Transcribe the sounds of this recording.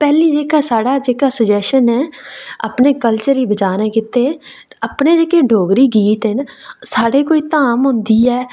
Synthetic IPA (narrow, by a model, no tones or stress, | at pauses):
pɛːliːd͡ʒeːkaːsaːɽaːd͡ʒeːkaːsəd͡ʒɛːʃənɛ̃ːa̰pneːkəlt͡ʃəɾiːbət͡ʃaːnẽːkɪt̪eː | əpneːd͡ʒeːkeːɖʱoːɡɾiːɡiːt̪ɦɪnsaːɽeːkoːiːt̪aːmɦʊ̃nd̪iːɛː